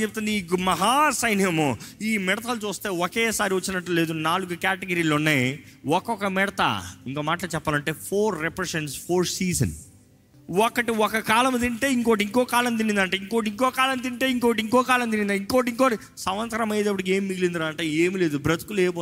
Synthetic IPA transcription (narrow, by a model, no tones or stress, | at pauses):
t͡ʃeb̚ut̪und̪imɐɦaːsɐjnjɐmiːmɛɽɐt̪ʰaːlut͡ʃuːst̪e̞ːɔkeːsaːɾiʋɐt͡ʃːinɐʈːule̞ːd̪unaːluɡukaːʈeɡɐɾiːloːnːejwɔkɔkɐmɛɽɐt̪ɐ̰iŋkoːmaːʈɐlɐt͡ʃɛpːaːlɐɳʈe̞ːpʰoːɾːepɾeseɳʈspʰoːɾsiːd͡ʒɐ̰n | wɔkːɐʈiɔkɐkaːlɐmd̪iɳʈeːiŋkoːʋɐʈiŋkɔːkaːlɐnt̪̬inind̪ɐːɳʈaːiŋkoːʈiŋkɔːkaːlɐnd̪̬iɳʈeːiŋkoːɐʈiŋkɔːkaːlɐnt̪iind̪aːiŋkoːɐʈ̬iŋkoɐʈi | sɐmʋɐnt̪ɐɾɐmɐjd̪ɐpːuɽik̬eːmiːiɡilind̪uɾaːɐɳʈaːjeːmile̞ːd̪ubɾɐt̪u̥kuleːp̬oː